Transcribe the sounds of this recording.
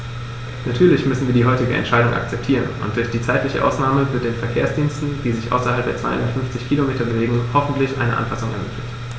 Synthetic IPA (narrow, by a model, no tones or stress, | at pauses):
natʰyːɐlɪçmʏsn̩viːɐdiːɦɔʏtɪɡəʔɛ̰ntʃaɪɾʊŋʔa̰kt͡sɛp̚tʰiːʁənʔʊ̰nt̚d̥ʊɐçd̥iːt͡saɪtlɪçə̰ʔa̰ʊsnaːməvɪɐt̚d̥eːnfɛɐkʰeːɐsd̥iːnstn̩viːzɪçʔa̰ʊsɐhalp̚deːɐt͡sv̥aɪʊ̰ndɐtfʏnft͡sɪçkʰiːlomeːtɐbəveːɡŋhɔfn̩tʰlɪçʔa̰ɪnə̰ʔa̰nfasʊŋɛ̰ɐmɪ̰kʰlɪçt